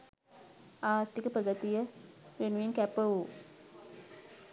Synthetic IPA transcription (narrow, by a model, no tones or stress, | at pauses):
aːɾt̪ːikəprəɡət̪ijəʋenuʋeŋkæpəu